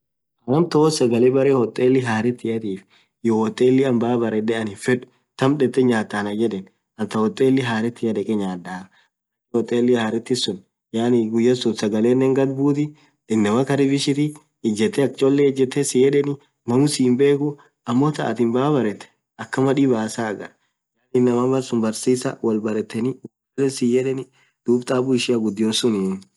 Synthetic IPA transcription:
ʔɐɾɐmt̪oɔsɐɡɐlebɐɾehɔt̪ʼːeːlːɪɦaːɾɛt̪ːɪjɐt̪iːf | johɔt̪ʼːeːlːɪɐmbaːbɐɾɛᶑɛɐnɪfɛᶑʊ̥ | t̪ɐmᶑɛt̪ːɛɲaːt̪ːaːnɐd͡ʒɛᶑɛn | ɐnt̪ɐhɔt̪ʼːeːlːɪɦaːɾɛt̪ːɪjɐᶑ̪ɛkʼɛɲaːd̪ːaːɐ | hɔt̪ʼːeːlːɪhaːɾɪt̪ːɪsʊn | jaːnɪɡʊjːɐsʊt̪sɐɡɐleːnːɛŋɡɐd̪buːt̪̬ɪ | ɪnːɐmɐkɐɾɪbɪʃɪt̪ɪː | d͡ʒːɛt̪ːɛɐk̚t͡ʃʼolːɛɪd͡ʒːɛt̪ːɛsɪjɛᶑɛnɪ | nɐmʊsimbe̞ːkʊ | ɐmːot̪ɐ̰ʔɐ̰t̪ɪnbaːbɐɾɛt̪ːɛ̥ | ɐkːɐmɐᶑibaːsaːɡɐɾ | d͡ʒaːlɪnːɐmabɐɾsʊmbɐɾsiːsɐ̰wɐlbɐɾɛt̪ːɛnɪʊɡ | lɛsɪjɛᶑɛnɪ | d̪̥uːbt̪ʼaːbʊɪʃɪɐɡʊd̪ːɪjoːsʊnin

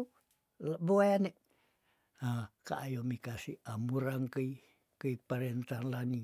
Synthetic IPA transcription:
lboajaneʔ | aka̰ʔːjomikasiamuɾaŋkəi | kəipaɾent̪anlani

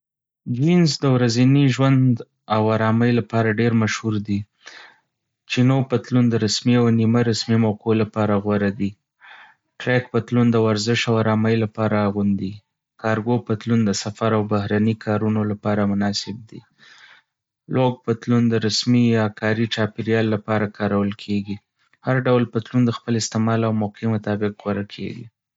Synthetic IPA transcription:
d͡ʒwinzd̪əwɾaziniʒwand̪ | awaɾɑmajlapɑɾaɖeɾmaʃhuɾd̪i | t͡ʃinopət̪lund̪əɾasmiawniməɾasmimawqolapɑɾaɣwaɾad̪i | ʈɾak̚pət̪lund̪əwaɾzɪʃawaɾɑmajlapɑɾaːɣund̪i | kɑɾɡopət̪lund̪əsafaɾawbahɾanikʰɑɾunolapɑɾamʊnɑsɪb̚d̪ḭ | lwoɡ̚pət̪lund̪əɾasmijɑkɑɾit͡ʃɑpɪɾjɑlːapɑɾakʰɑɾawəlkʰeɡi | haɾɖawlpət̪lund̪əxpəlɪst̪ɪmɑlawmʊqʰimʊt̪ɑbɪqɣwaɾakʰḛɡḭ

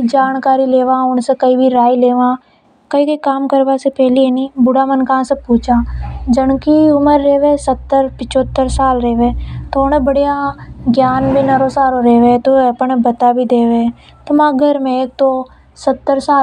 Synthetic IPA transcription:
d͡ʒaːnkaːɾileːʋãːʊɳsekəibʱiɾaːileːʋãː | kəikəikaːmkəɾbasepɛːlienibʊɽamənkãːsepuːt͡ʃaːd͡ʒənkiʊməɾːeːʋesət̪ːəɾpɪt͡ʃoːt̪ːəɾsaːlɾeːʋet̪oʊñebəɽijaɡjaːnbʱinɐɾosaːɾoɾeːʋet̪oɐpɳbət̪abʱid̪eːʋe | t̪omãːɡʱəɾmẽeːk̚t̪o | sət̪ːəɾsaː

